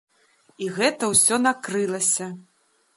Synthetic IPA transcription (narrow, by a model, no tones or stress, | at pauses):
iɣɛt̪ɐwsʲɔnakɾɨlˠɐsʲɐ